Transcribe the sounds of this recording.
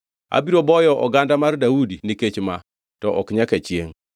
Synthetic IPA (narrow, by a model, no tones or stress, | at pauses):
a̰biɾobɔjɔʔɔ̰ɡandamardawudiniket͡ʃma | tɔʔɔkɲaket͡ʃjeŋ